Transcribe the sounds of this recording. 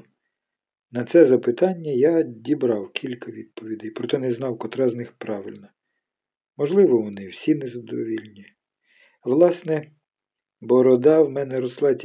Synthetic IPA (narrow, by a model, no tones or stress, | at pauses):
nɐt̪sɛzɐpɪt̪ɑnʲːɐjadʲibɾɑwkʲʰilʲkɐʋʲid̪̚pɔʋʲid̪ɪjpɾɔt̪ɛnɛznɑwkɔt̪ɾɑznɪxpɾɑʋɪlʲnɐ | mɔʒlˠɪʋɔʋɔnɪwsʲinɛzɐd̪ɔʋʲilʲnʲi | ʋlˠɑsnɛ | bɔɾɔd̪ɑwmɛnɛɾɔslˠɑtʲ